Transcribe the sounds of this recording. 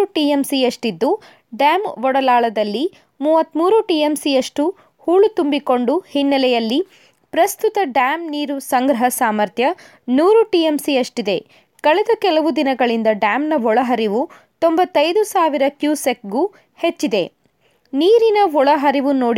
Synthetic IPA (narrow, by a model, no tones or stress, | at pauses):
uʈiːemsijɐʂʈid̪ːu | ɖaːmʋɔɽɐlaːɭɐd̪ɐlːi | muːʋɐt̪muːɾuʈiːemsijɐʂʈu | huːɭut̪umbiko̞ɳɖuhinːɐlɛjɐlːi | pɾɐst̪ut̪ɐɖaːmniːɾusɐŋɡɾɐɦɐsaːmɐɾt̪ʰjɐ | nuːɾuʈiːemsiɐʂʈid̪e̞ | kɐɭɛd̪ɐkɛlɐʋud̪inɐɡɐɭind̪ɐɖaːmnɐʋɔɭɐɦɐɾiʋu | t̪ombɐt̪ːɐjd̪usaːʋiɾɐkjuːsek̚ɡuː | het͡ʃːid̪e̞ | niːɾinɐʋɔɭɐɦɐɾiʋunoːɽ